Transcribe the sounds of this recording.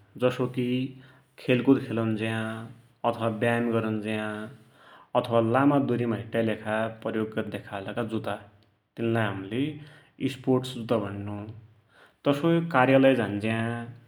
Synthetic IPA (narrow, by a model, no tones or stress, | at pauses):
d͡zʌsoki | kʰelkod̪kʰelawnd͡ziã | ʌt̪ʰʌwabjamɡʌɾʌnd͡ziã | ʌt̪ʰʌwalamad̪uɾimaɦiʈjalekʰapʌjoɡːʌd̪ekʰalakad͡zut̪a | t̪inlajɦamle | isporʈsd͡zut̪abʱʌnnu | t̪ʌsokarjalʌjd͡zand͡ziã